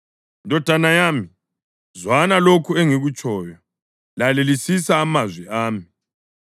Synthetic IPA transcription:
ndʱɔd̥ʱanajaːmi | zwanalokʰueŋiɣut͡ʃʼʰɔːjɔ | lalelisisaːmazwɛʔaːmi

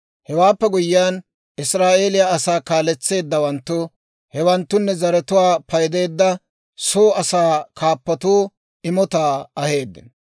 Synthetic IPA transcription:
hɛwaːpːɛɡʊjːɪaːn | ʔɪsɾaːʔe̞ːlɪjaɐsaːkaːlɛt͡sːe̞ːd̪ːɐwɐnt̪ːʊ | hɛwɐnt̪ːʊnːɛzɐɾɛt̪ʊwaːpɐjd̪e̞ːd̪ːɐ | soːɐsaːkʰaːpːɐt̪uː | ɪmɔt̪aːɐhe̞ːd̪ːɪ̰n

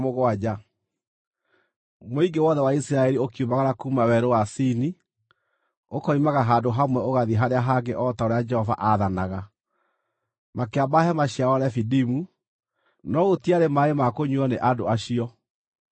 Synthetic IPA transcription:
moɣwad͡ʑa | moiɡewɔðɛwaisɾaɛɾiokiumaɣanakuːmawɛɾowasini | okɔimaɣaɦaːdoɦamwɛoɣaðiɦaɾeaɦaɡeʔɔtaoɾead͡ʒɛhɔva̰ʔaðanaɣa | makeabahɛmaɕiawɔɾɛfidimu | nɔɣotiaɾemaemakoɲuɔneʔadoaɕiɔ

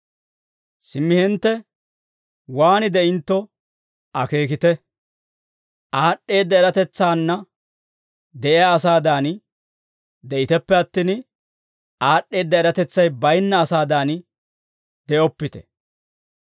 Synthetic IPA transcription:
sɪmːɪhɛnt̪ːɛ | waːnɪd̪ɛʔɪnt̪ːɔ | ʔɐke̞ːkɪt̪ɛ | ʔaːɗːe̞ːd̪ːɐɛɾɐt̪ɛt͡sːaːnːɐ | d̪ɛʔɪjaːsaːd̪aːn | d̪ɛʔɪt̪ɛpːɛɐt̪ːiːn | ʔaːɗːe̞ːd̪ːɐɛɾɐt̪ɛt͡sːɐjbɐjnːɐːsaːd̪aːn | d̪ɛʔɔpːɪt̪ɛ̥

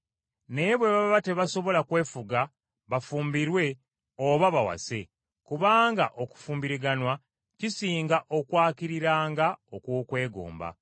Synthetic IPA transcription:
ne̞βwe̞βaββate̞βaso̞βo̞lakwe̞ːfuɡa | βafuːmbiɾwe̞ | oβaβawa̰se̞ | kuβaːŋɡaʔo̞ku̥fuːmbiɾiɡanwa | cisiːŋɡaʔo̞kwaːkiɾiɾaːŋɡao̞kwokwe̞ːɡo̰ːmba̰

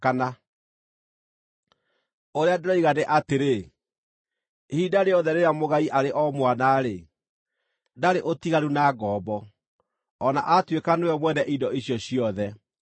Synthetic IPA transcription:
kana | oɾeadeɾɔiɣaneʔateɾe | hiːdaɾeɔðɛɾeɾamoɣaiʔaɾeʔɔmwanaɾe | daɾeʔotiɣaɾunaɡɔːbɔː | naʔatwekanewɛmwɛnɛʔidɔiɕjɔɕjɔðɛ

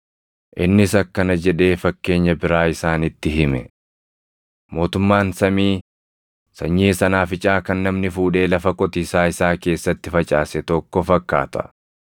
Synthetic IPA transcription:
ʔɪnːɪsɐkːɐnɐd͡ʒɛᶑe̞ːfɐkːe̞ːɲːɐbɪɾaːɪsaːnɪt̪ːɪɦɪmɛ | mo̞ːt̪ʊmːaːnsɐmiː | sɐɲːiːsɐnaːfɪt͡ʃʼaːkɐnːɐmnɪfuːᶑe̞ːlɐfɐkʼɔt̪iːsaːɪsaːke̞ːsːɐt̪ːɪfɐt͡ʃʼaːsɛt̪ɔkːɔfɐkːa̰ːt̪ɐ̥̰

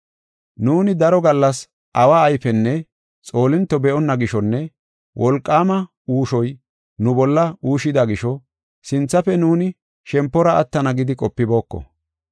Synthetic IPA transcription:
nuːnɪd̪ɐɾɔɡɐlːɐs | ʔɐwaːjfɛnːɛ | t͡sʼo̞ːlɪnt̪ːɔbɛʔɔnːɐɡɪʃɔnːɛ | wʔɔlkʼːaːmɐ | uːʃɔj | nʊbɔlːɐuːʃɪd̪ɐɡɪʃɔ | sɪnt͡sːɐfɛnuːnɪ | ʃɛmpːɔɾɐʔɐt̪ːɐnɐɡɪd̪ɪkʼɔpːɪbo̞ːkːɔ̰

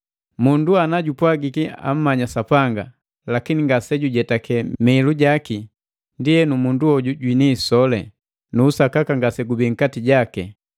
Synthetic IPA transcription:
munduanaɟupwaɡikia̰m̩mːaɲasapaŋɡa | lakiniŋɡasɛɟuɟɛtakɛmɛluɟaki | ndiɛnumunduɔɟuɟwinisɔlɛ | nuːsakakaŋɡasɛɡubiŋ̩katiɟakɛ

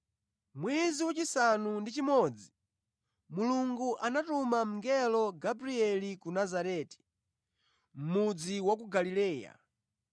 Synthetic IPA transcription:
mwɛziwat͡ʃisanundit͡ʃimɔd͡zi | muluŋɡuʔanatumam̩ŋɡɛlɔɡabɾiɛlikunazaɾɛːti̥ | m̩mud͡ziwak̬uɡalilɛːja̰

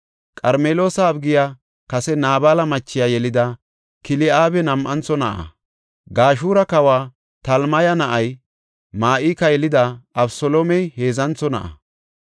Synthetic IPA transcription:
kʼɐɾmeːlo̞ːsɐːbɡɪja | kɐsɛnaːbaːlɐmɐt͡ʃːɪjaːjɛlɪd̪ɐ | kɪlɪʔaːbɛnɐmʔɐnt͡sːɔnɐʔɐ̰ | ɡaːʃuːɾɐkɐwaː | t̪ɐlmɐjɐnɐʔɐj | maːʔiːkɐjɛlɪd̪ɐɐbsɔloːmɛjhe̞ːzɐnt͡sːɔnɐ̰ʔɐ̰

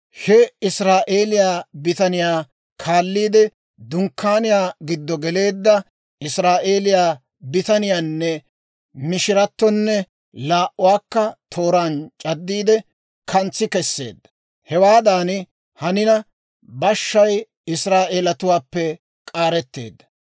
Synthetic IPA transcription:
hɛɪsɾaːʔe̞ːlɪjaːbɪt̪ɐnɪjaː | kʰaːlːiːd̪ɛ | d̪ʊŋkːaːnɪjaːɡɪd̪ːɔɡɛle̞ːd̪ːɐ | ɪsɾaːʔeːlɪjaː | bɪt̪ɐnɪjaːnːɛ | mɪʃɪɾɐt̪ːɔnːɛ | laːʔʊwaːkːɐt̪ʰo̞ːɾant͡ʃʼɐd̪ːiːd̪ɛ | kʰɐnt͡sːɪkɛsːe̞̰ːd̪ːɐ̥ | hɛwaːd̪aːnɪ | hɐnɪnɐ | bɐʃːɐj | ɪsɾaːʔeːlɐt̪ʊwaːpːɛ | kʼaːɾɛt̪ːe̞̰ːd̪ːɐ

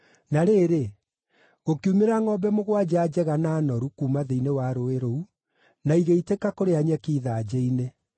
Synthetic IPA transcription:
naɾeːɾe | ɣokiumeɾaŋɔbɛmoɣwad͡ʑad͡ʑɛɣanaːnɔɾukuːmaðeinewaɾoeɾou | naiɣeitekakoɾeaɲɛkiːðaːd͡ʑeine

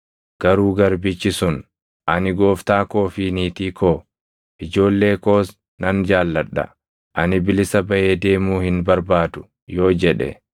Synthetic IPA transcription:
ɡ̥ɐɾuːɡɐɾbɪt͡ʃːɪsʊn | ʔɐnɪɡo̞ːft̪aːko̞ːfiːniːt̪iːkʰoː | ʔɪd͡ʒo̞ːlːe̞ːkoːs | nɐnd͡ʒaːlːɐᶑːɐ̰ | ʔɐnɪbɪlɪsɐbɐʔeːd̪e̞ːmuːhɪnbɐɾbaːd̪ʊ̥ | jo̞ːd͡ʒɛᶑɛ̰

